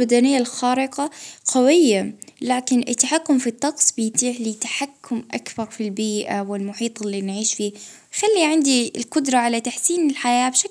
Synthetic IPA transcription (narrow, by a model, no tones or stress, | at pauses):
bad̪anɪjːalxaːɾɪqɑqawɪjːalaːkɪnʔɪ̰t̪ːaħakːʊmfit̪ːɑqsˤbɪjt̪iːʕlit̪ḁħakːʊmʔakbɑɾˤfilbiːʔawɪlmʊħiːt̪ˤɪlːinʕiːʃfiː | xalːiʕɪnd̪iɪlqʊd̪ɾˤɑʕalat̪aħsiːnɪlħajaːbʃak